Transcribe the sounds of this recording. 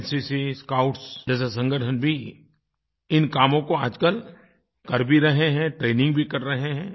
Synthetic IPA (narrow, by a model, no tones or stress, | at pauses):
nsisiskaːʊʈsd͡ʒɛːs̬es̬ɐ̃ŋɡəʈʰənbʱi | ɪnkaːmõkoaːd͡ʒkəl | kɐɾbʱiɾɐɦeɦɛ̃ʈɾeːnɪ̃ŋɡ̚bʱikɐɾːɐɦeɦɛ̃ː